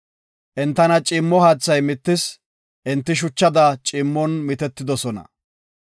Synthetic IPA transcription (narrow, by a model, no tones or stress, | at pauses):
ʔɛnt̪ːɐnɐt͡ʃʼɪːmːɔhaːt͡sːɐjmɪt̪ːɪs | ʔɪnt̪ːɪʃ̬ʊt͡ʃːɐd̪ɐt͡ʃʼɪːmːɔnmɪt̪ɛt̪ːɪd̪ɔsɔnɐ̰